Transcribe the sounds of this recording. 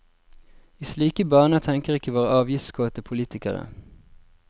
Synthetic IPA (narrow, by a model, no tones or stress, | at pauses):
iːsliːkəbɑːnət̪ʰɛŋkəʁɪkːəʋoːʁəʔɑːʋjɪft̪skʰoːt̪əpʰʊliːt̪ɪkəʁə̰